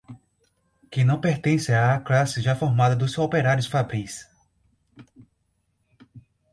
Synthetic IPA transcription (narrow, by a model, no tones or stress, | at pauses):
kɪ̃nɐ̃w̃peɾt̪ẽsɪaːklasɪʒafɔɾmad̪ɐd̪ʊsopeɾaɾjʊsfabɾis